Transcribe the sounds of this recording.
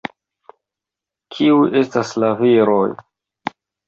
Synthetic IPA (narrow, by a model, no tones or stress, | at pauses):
kʰiujʔe̞staslaviɾoj